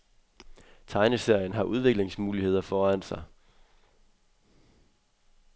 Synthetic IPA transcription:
t͡sʰɑ̈ɪnəse̝ɐ̰jənɦɑ̈ʔuð̞ˠʋe̝ɡ̥le̝ŋsmuːlihe̝ð̰ˠɐfɒːæn̰sɑ̈ɪ

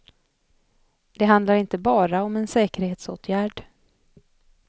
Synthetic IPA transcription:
d̪̥ɛɦand̪laɾɪnt̪əbɑːɾaɔmɛnsɛːkəɾheːt̪soːt̪ʰjæːɖ

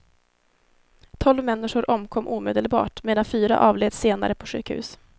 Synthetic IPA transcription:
t̪ʰɔlvmɛnːɪʂʊɾʔɔmkʰɔmːʔuːmeːd̪əlbɑ̰ːʈmeːd̪anfyːɾa̰ʔɑːvleːd̪seːna̰ɾəpʰɔɧʉ̟ːkhʉ̟̰ːs

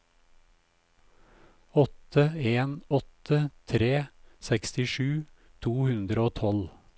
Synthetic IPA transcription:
ɔt̪ʰəeːnɔt̪ʰət̪ʰɾeːsɛkst̪ɪʃʉː | t̪ʰuːhʉnd̪ɾəoːt̪ʰɔl

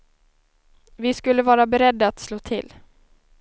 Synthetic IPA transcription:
vɪskɵlːəvɑːɾabɛɾɛd̪ːaːt̪sloːt̪ʰɪ̰lː

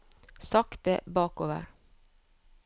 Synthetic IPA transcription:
sɑkt̪əbɑːkoːʋə̰ɾ

